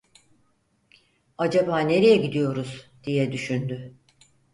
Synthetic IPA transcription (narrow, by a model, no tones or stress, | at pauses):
ad͡ʒabaːne̞ɾejɛɟid̪ijo̞ɾuzd̪̥ijɛd̪yʃynd̪y